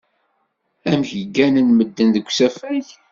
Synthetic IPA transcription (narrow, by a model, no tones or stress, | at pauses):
æmçəɡːænənməd̪ːənðəkʷːsæfæç